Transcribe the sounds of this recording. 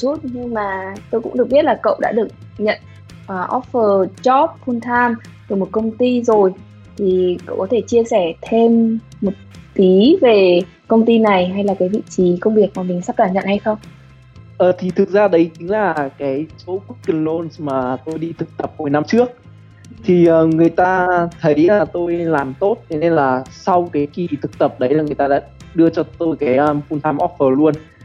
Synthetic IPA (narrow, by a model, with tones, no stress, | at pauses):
su˦˥t̚ɲɨ˧ŋmaː˨˩t̪o˧jkʊ̰˧˥ŋ͡mɗɨ˨˩ək̚ɓət̚laː˨˩kə̰˧˨wɗa̰ː˧˥ɗɨ˨˩ək̚ɲə̰˧˨n | ʔəː˨˩ʔɔ˦˥ffəː˨˩t͡ɕɔ˦˥p̚hu˧nt̪ʰaː˧m | t̪o˧˩jmo˨˩t̚kə˧wŋ͡mt̪i˧zo˨˩j | t̪ʰi˨˩kə̰˧˨wʔkɔ˨˦t̪ʰe˧˩t͡ɕi˧əsɛ˧˩t̪ʰe˧mː | o˨˩t̚t̪i˨˦ve˨˩ | kə˧wŋ͡mt̪i˧na˨˩jɦa˧jlaː˨˩kaː˨˦jvḭ˧˨t͡ɕi˨˦kə˧wŋ͡mɓi˨˩ək̚maː˨˩mï˨˩ŋ̟sa˦˥k̚kaː˧˩ɲə̰˧˨nha˧jxə˧wŋ͡m | ʔəː˨˩t̪ʰi˨˩t̪ʰɨ˨˩k̚zaː˧ɗə˨˦jt͡ɕi˨˦ŋlaː˨˩kaː˨˦jso˨˦ku˦˥k̚ki˨˩nlo˧nsmaː˨˩t̪o˧jɗi˧t̪ʰɨ˨˩k̚t̪ə˨˩p̚ho˨˩jna˧mt͡ɕɨ˦˥ək̚ | t̪ʰi˨˩ʔəː˨˩ŋɨ˨˩əjt̪aː˧t̪ʰə˨˦jlaː˨˩t̪o˧jlaː˨˩mt̪o˦˥t̚t̪ʰɛ˨˧˦ne˧nlaː˨˩sa˧wkaː˨˦jki˨˩t̪ʰɨ˨˩k̚t̪ə˨˩p̚ɗə˨˦jlaː˨˩ŋɨ˨˩jt̪aː˧a̰ː˧˥ɗɨ˧ət͡ɕɔ˧t̪o˧jkaː˨˦jʔə˧fu˧nt̪ʰaː˧mʔɔ˦˥t̚fəː˨˩lu˧ən